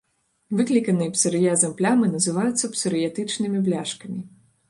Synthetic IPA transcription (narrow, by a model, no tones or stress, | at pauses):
vɨklʲikɐnɨjɛpsɨɾɨjazɐmplʲamɨnɐzɨvajut̪sːɐpsɨɾɨjat̪ɨt͡ʂnɨmʲiblʲaʂkɐmʲi